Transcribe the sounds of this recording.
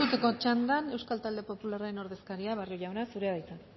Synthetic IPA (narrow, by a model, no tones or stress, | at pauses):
uk̪eko̞t͡ʃand̪ane̞wskalt̪ald̪e̞po̞pularaɾe̞no̞ɾðe̞skaɾiaβaroʝawnasuɾeðajt͡san